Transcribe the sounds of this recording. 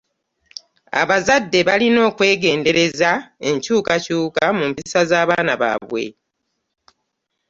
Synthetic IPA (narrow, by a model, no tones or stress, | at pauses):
a̰βazadːe̞βalino̞ːkwe̞ːɡe̞ːnde̞ɾe̞zae̞ɲcuːkacuːkamumpisazaːβaːnaβa̰βwe̞̰